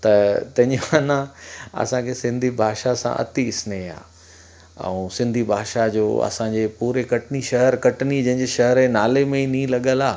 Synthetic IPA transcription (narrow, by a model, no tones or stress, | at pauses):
t̪ɐt̪ɐ̃ɲanãɐ̰sãkʰesɪ̃nd̪ʱibʱaːʃasã̰ʔɐ̰t̪iɪsnea̰ː | ɛ̰̃ũsɪ̃nd̪ʱibʱaːʃad͡ʑo̰ːɐ̰sãɲd͡ʑeːpuːɾekɐʈniʃɐɦəɾkɐʈnid͡ʑɐ̃ɦɪ̃ɲd͡ʑeʃɐɦəɾenaːlemẽinĩlɐɠəlaː